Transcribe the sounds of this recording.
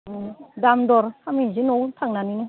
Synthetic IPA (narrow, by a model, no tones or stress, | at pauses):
damdɔɾhamizinɔwtʰaŋnaninɯ